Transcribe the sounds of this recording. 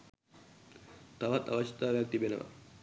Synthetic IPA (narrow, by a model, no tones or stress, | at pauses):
t̪aʋɐt̪ːa̰ʋɐʃit̪aːʋɛk̚t̪ibeneʋɐ̰